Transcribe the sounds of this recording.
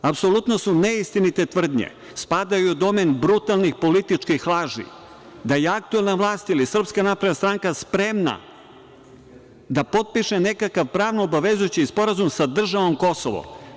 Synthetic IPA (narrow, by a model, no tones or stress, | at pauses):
apsolut̪nosuneist̪init̪et̪ʋr̩d̪ɲḛ | spaːd̪ajud̪o̞menbɾut̪alˠnixpolit̪it͡ʂkixlˠaːʒḭ | d̪ajeak̚t̪uelˠnaʋlˠaːst̪ilisr̩pskanapɾed̪nast̪ɾaːŋkaspɾemna̰ | d̪apo̞t̪̚piʃenekakaʋpɾaːʋnobaʋezujot͡ɕispo̞ɾazumsad̪r̩ʒaʋo̞mko̞soʋo̰